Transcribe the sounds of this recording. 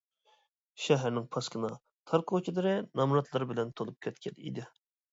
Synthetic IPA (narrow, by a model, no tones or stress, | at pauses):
ʃɛɦæɾnɪŋpʰɑskʰɨnɑ | t̪ʰɑɾqʰot͡ʃʰid̪ɨɾɨnɑmɾɑt̪ʰlˠɑɾbɪlɛnt̪ʰolˠup̚kʲʰɛt̪̚kʲʰɛlḭd̪ɪ